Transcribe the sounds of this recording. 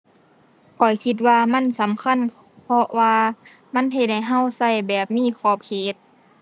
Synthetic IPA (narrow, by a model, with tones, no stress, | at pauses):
kʰɔ˨˩jkʰi˧t̪̬̚waː˧ma˧˥˨nsa˨˦mkʰa˧˥˨n | pʰɔ˧waː˧ | ma˧˥˨nɦe˧t̪̚ha˧˩jɦa˧˨wsa˧˩˨jbɛː˨˩p̚miː˧˥˨kʰɔː˧˩p̚kʰeː˨˩t̪̚